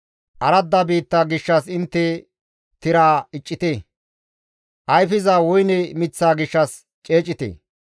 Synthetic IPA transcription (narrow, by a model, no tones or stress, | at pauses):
ʔɐɾɐd̪ːabiːt̪ːaːɡɪʃːɐsɪnt̪ːɛ | t̪ɪɾaːɪt͡ʃʼːɪt̪e | ʔɐjfɪzaːwɔjnɛmɪt͡sːaːɡɪʃːɐs | t͡ʃʼe̞ːt͡ʃʼːɪt̪ḛ